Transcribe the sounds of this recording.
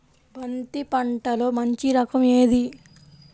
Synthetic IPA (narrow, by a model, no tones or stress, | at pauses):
bɐnt̪ipɐɳʈɐlo̞ːmɐɲt͡ʃiɾɐkɐme̞ːd̪i